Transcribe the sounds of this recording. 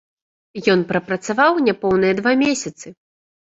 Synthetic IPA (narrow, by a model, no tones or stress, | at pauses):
jɔnpɾɐpɾɐt̪savawnʲɛpɔwnɨjɐd̪vamʲesʲɐt̪sɨ